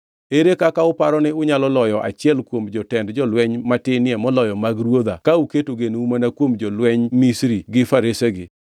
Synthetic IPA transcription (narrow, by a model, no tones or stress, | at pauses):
eɾekakaʊpaɾɔnɪʊɲalɔlɔjɔʔa̰t͡ʃɪɛlkwomd͡ʒɔtɛndd͡ʒɔlwɛɲmatɪnɪemɔlɔjɔmaɡɾwod̪akauketoɡenumanakwomd͡ʒɔlwɛɲmisɾiɡɪfaɾeseɡɪ